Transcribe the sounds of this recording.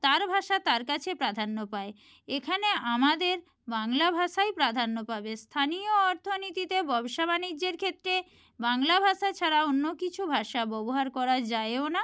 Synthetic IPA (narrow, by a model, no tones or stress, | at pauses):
t̪aɾbʱaʃat̪aɾkat͡ɕʰepɾad̪ʱanːopae | ekʰaneamad̪eɾ | baŋlabʱaʃajpɾad̪ʱanːopabest̪ʰanioɔɾt̪ʰonit̪it̪ebɔbʃabanid͡ʑːeɾkʰet̪ːɾe | baŋlabʱaʃat͡ɕʰaɾaonːokit͡ɕʰubʱaʃabɔboɦaɾkɔɾad͡ʑaeona